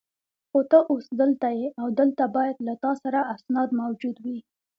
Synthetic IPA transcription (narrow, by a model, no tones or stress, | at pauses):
xot̪əʔusd̪əlt̪ajeawd̪əlt̪abɑjad̪lat̪ɑsaɾaasnɑd̪mawd͡ʒud̪wi